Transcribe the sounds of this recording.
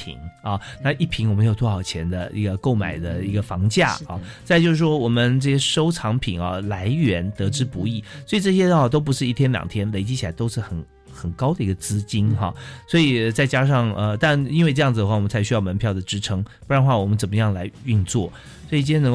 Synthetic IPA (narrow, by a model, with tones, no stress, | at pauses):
ḭ˨˩ŋɐ˧na˥˧i˥˩pʰi˧˥ŋwme˧˥ɪjo˨˩ʊt̪t͡sʰwɔ˥xɑ˨˩ʊt͡ɕʰjɛ˧˥nd̪ə̰˧ʔḭ˧˥ɡə˧ko˥˩ʊma̰˨˩ɪd̪ə˦i˧˥ɡə˧fɑ˧˥ŋt͡ɕja̰˥˩ɐ̰˧˩t͡sa˥˧ɪt͡ɕjo˥˧ʊʂɻ̩˥˩ʂwɔ˥wɔ˨˩mə˧˦nʈ͡ʂɤ˥˩ɕjɛ˥ʂo˥ʊʈ͡ʂʰɑ˧˥ŋpʰḭ˨˩˦ŋɐ˧˩la˧˥ɪɥɛ˧˥nt̪ɤ˧˥ʈ͡ʂɻ̩˥pu˧˥i˥˩swɔ˧˥i˨˩ʈ͡ʂɤ˥˩ɕ̬jɛ˥ə˧a˥˩t̪o˥ʊp̬u˧˥ʂɻ̩˥˧i˥˩t̪ʰjɛ˥nljɑ̰˨˩ŋt̪ʰjɛ˥nle˧˥ɪt͡ɕi˥t͡ɕʰi˨˩la˧˥ɪt̪o˥ʊʂɻ̩˥˩xə˨˩n | xə˨˩nkɑ˥ʊd̪ə˨i˧˥ɡə˧t͡sɹ̩˥t͡ɕi˥nxɑ̰˥˧swɔ˧˥i˨˩˧t͡sa˥˩ɪt͡ɕja˥ʂɑ˥˩ŋə˧t̪a˥˧ni˥nwe˥˧ʈ͡ʂɤ˥jɑ˥˩ŋd͡zɹ̩˨d̪ə˩xwa˥˩ɔ˨˩mə˦nt͡sʰa˧˥ɪɕy˥jɑ˥˩ʊmə˧˥npʰjɑ˥˩ʊd̪ə˩ʈ͡ʂɻ̩˧˥ʈ͡ʂʰɤ˧˥ŋpu˥˩ɻa˧˥n˥xwa˥˩wɔ˨˩mə˦nt͡sə˨˩mə˦jɑ˥˩ŋla˧˥ɪy˥˧nt͡swɔ̰˥˩ | sswɔ˧˥i˨˩t͡ɕi˥jn˧˥